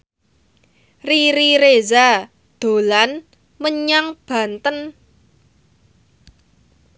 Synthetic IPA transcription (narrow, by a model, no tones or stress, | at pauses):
riɾiɾeza | d̪̥o̤lan | məɲaŋb̥ä̤nt̪ən